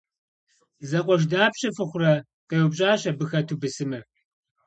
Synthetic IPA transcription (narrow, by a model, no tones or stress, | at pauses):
zɐqʷɔʒ̬daːpɕɐfɨχʷʊrɐ | qewʊpɕʼaːɕɐbɨxɐtʰubɨsɨmɨ